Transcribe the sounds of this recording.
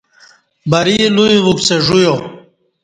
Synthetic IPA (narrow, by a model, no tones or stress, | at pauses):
bɐɾijelujivupseʐujo